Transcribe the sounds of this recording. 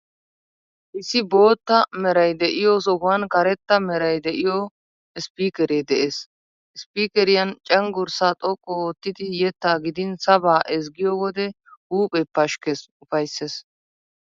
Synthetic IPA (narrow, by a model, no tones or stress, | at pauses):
ʔɪsɪbo̞ːt̪ːɐmɛɾɐjd̪ɛʔɪjoːsɔɡʊwɐnkɐɾɛt̪ːɐmɛɾɐjd̪ɛʔɪjɔ | ɪspiːkɛɾeːd̪ɛʔes | ʔɪspiːkɛɾɪjɐnt͡ʃʼɐŋɡʊɾsaːt̪ʼɔkʼːɔːt̪ːɪd̪ɪjɛt̪ːaːɡɪd̪ɪnsɐbaːʔɛs̬ɡɪjowɔd̪ɛ | huːpʼɛpːɐʃkesʊfɐjsːes